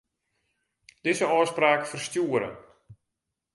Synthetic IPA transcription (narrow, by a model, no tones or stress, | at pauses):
d̥ɪzəɔjspraːkfərstjuəɾə̰n